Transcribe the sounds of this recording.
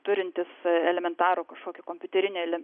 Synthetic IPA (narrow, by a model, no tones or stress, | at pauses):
t̪ʊɾʲɪnʲt̪ʲɪsɛlʲɛmʲɛnt̪ɑːɾoːkɐʃkoːkʲʊkoːmʲpʲʊt̪ʲɛɾʲɪnʲeːɛlʲɛm